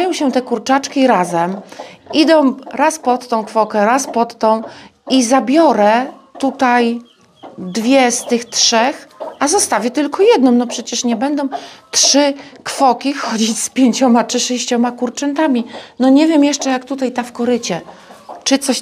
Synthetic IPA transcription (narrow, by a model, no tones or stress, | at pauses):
jɔ̃w̃ɕɛt̪ɛkuɾt͡ʂat͡ʂkʲiɾazɛmid̪ɔ̃w̃ɾaspɔt̪ːɔ̃w̃kfɔkɛɾaspɔt̪ːɔ̃w̃izabʲjɔɾɛt̪ut̪aj | d̪vʲjɛst̪ɘxtʂɛxʔazɔst̪avʲjɛt̪ɘlkɔjɛd̪nɔ̃w̃nɔpʂɛt͡ɕɛʂɲɛbɛnd̪ɔ̃w̃t̪ʂɘkfɔkʲixɔd͡ʑit͡ɕspʲjeɲt͡ɕɔmat͡ʂɘʂɛɕt͡ɕɔmakuɾt͡ʂɛnt̪amʲinɔɲɛvʲjɛmjɛʂt͡ʂɛjakt̪ut̪ajt̪afkɔɾɘt͡ɕɛt͡ʂɘt̪sɔɕ